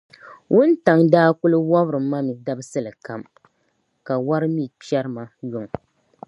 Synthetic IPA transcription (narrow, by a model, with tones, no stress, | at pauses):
wʊ˦nta˨ŋdaː˦kʊ˦lɨ˦wa˦bɾɨ˨˦mːa˦mi˨da˦bɨ˦sɨ˦lɨ˨ka˨m | ka˨wa˦ɾɨ˦mi˦˨pi˦ɛ˦ɾɨ˦ma˦jʊ˨ŋ˨